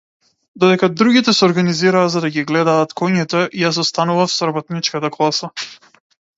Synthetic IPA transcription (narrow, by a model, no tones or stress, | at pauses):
d̪ɔd̪ɛkad̪ɾuɡit̪ɛsɛɔɾɡaniziɾaːzad̪aɡiɡlɛd̪aːt̪kɔɲit̪ɔʔijas̬ɔst̪anuvafsɔɾabɔt̪nit͡ʃkat̪aklˠasa